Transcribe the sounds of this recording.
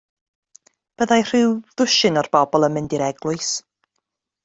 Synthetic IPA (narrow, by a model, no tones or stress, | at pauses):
b̥əðajr̥ɪwðʊʃɨnɔrb̥ɔbɔlˠəmɪndiɾɛɡ̥lˠʊɨs